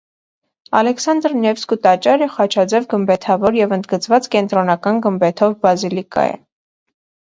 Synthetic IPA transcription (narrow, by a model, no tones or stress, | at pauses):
ɑ̰lɛksɑnd̪ɾnɛvskut̪ɑt͡ʃɑɾəχɑt͡ʃʰɑd͡zɛvɡəmbɛt̪ʰɑvɔɾjɛvənd̪ɡət͡svɑt͡skɛnt̪ɾɔnɑkɑnɡəmbɛt̪ʰɔvbɑzilikɑ̰jɛ̰